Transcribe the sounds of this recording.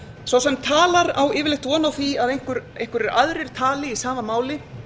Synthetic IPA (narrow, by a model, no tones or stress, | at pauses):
sawsɛmt̪ʰaːlaɾawɪːvɪlɪht̪vɔːnawθiaðejŋ̥kʏɾejŋ̥kʏɾɛɾaðɾɪɾ̥t̪ʰaːlɪisaːmamaːwlɪ